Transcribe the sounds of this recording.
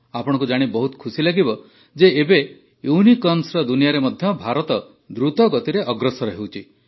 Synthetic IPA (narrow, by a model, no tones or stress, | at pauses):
apɔɽ̃ɔ̃kud͡ʒaɽ̃ibɔɦut̪ɔ̥kʰusilaɡibɔ | d͡ʒeːbe | junikɔnsɾɔd̪unijaɾemɔd̪ʱjɔbʱaɾɔt̪ɔ | d̪ɾut̪ɔɡɔt̪iɾeʔɔɡɾɔsɔɾɔɦewt͡ʃʰi